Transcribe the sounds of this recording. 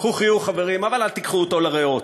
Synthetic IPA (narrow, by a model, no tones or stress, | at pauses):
χuχijuχaveʁimavalalt̪ikχuoto̞laʁeot